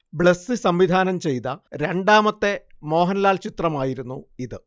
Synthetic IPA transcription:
bɭesɨsɐmʋid̪ʱaːnɐmt͡ɕe̞jt̪ɐɾe̞ɳɖaːmɐt̪ːe̞mo̞ːɦɐnɐlaːlt͡ɕit̪rɐmaːjiɾunːuiðɨ

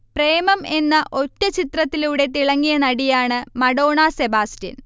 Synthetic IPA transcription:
pre̞ːmɐme̞nːɐʔo̞tːɐt͡ɕit̪rɐt̪ːiluːɽe̞t̪iɭɐŋːijɐnɐɽijaːɳɨmɐɽo̞ːɳasebaːstɐ̰n

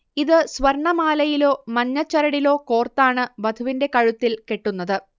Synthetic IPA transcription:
iðɨsʋɐɾɳɐmaːlɐjilo̞ːmɐnːɐt͡ɕːɐɾɐɽilo̞ːko̞ːrt̪aːɳɨbɐd̪ʰʱuʋinde̞kɐɻut̪ːilkeʈːunːɐðɨ

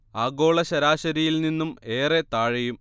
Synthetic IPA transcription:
aːɡo̞ːɭɐɕɐɾaːɕɐɾijilninːume̞ːret̪aːɻɐjum

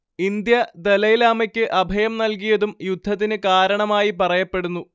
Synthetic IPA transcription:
ind̪jɐd̪elɐjlaːmɐkʲːɨʔɐbʱɐjɐmnɐlkijɐðumjud̪ʱːɐt̪̬ːinɨkaːɾɐɳɐmaːjipɐrɐjɐpːe̞ɽunːu

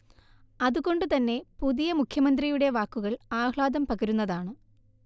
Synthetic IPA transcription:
ɐðuɣo̞ɳɖɨt̪ɐnːe̞puðijɐmukʰjɐmɐnd̪rijuɽe̞ʋaːkːuɣɐɭaːhɭaːd̪ɐmpɐɣɐɾunːɐðaːɳɨ

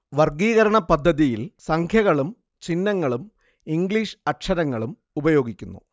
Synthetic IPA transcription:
ʋɐrɡiːɣɐɾɐɳɐpɐd̪ʱːɐðijilsɐŋkʰjɐɣɐɭum | t͡ɕinːɐŋːɐɭum | iŋɡɭiːʂɐʈʂɐɾɐŋːɐɭum | ubɐjo̞ːɡikʲːunːṵ

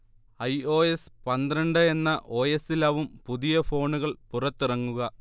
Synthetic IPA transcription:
ɐjo̞ːespɐnd̪rɐɳɖɨenːɐʔo̞ːjesilɐʋumpuðijɐfo̞ːɳuɣɐɭpurɐt̪ːirɐŋːuɣɐ

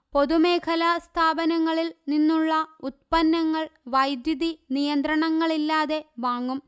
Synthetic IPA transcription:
po̞ðume̞ːkʰɐlast̪ʰaːbɐnɐŋːɐɭilninːuɭːɐut̪̚pɐnːɐŋːɐɭʋɐjd̪juðinijɐnd̪ɾɐɳɐŋːɐɭilːaːðe̞ʋaːŋːum

